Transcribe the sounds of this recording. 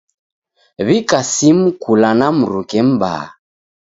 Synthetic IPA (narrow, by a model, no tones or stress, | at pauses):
βikasim̩kulanam̩ɾukɛm̩ba̰